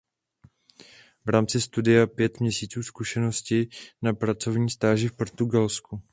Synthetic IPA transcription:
vɾaːmt͡sɪst̪udɪjapjɛt̪mɲɛsiːt͡suːskuʃɛno̞scɪnapɾat͡so̞vɲiːst̪aːʒɪfpoɾt̪uɡalsku

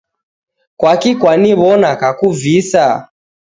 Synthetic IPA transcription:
kwakikwaniβɔnakakuvisa

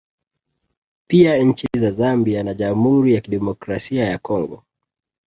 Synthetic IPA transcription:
piaɲ̩t͡ʃizazambianaʄamhuɾijakiɗɛmɔkɾasiajakɔŋɡɔ

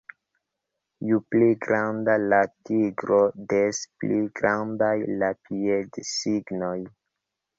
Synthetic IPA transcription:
jupliɡɾandalatiɡɾo̞despliɡɾandajlapiedsiɡnoj

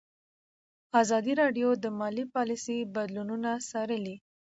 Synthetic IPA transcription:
ɑzɑd̪iɾɑɖjod̪əmɑlipɑlisibad̪lununasɑɾəli

